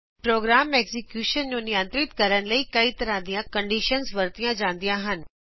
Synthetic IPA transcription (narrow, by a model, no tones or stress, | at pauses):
pɾoːɡɾaːmeːɡzɪkjuːʃənd͡ʑõːnɪjə̃nt̪ɾɪt̪kɐɾəñ̆lɐikɐit̪ɐɾad̪ijãkɐ̃ɳɖiːʃənzʋɐɾt̪ijãd͡ʑãːnd̪ijãɦənɪ̆